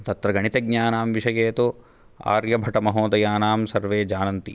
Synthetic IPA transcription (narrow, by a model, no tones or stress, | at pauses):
t̪ɐt̪ɾɐɡɐɳit̪ɐɡɲaːnaːmʋiʂɐjeːt̪u | a̰ːɾjɐbʱɐʈɐmɐɦoːd̪ɐjaːnaːmsɐɾʋeːd͡ʒaːnɐnt̪i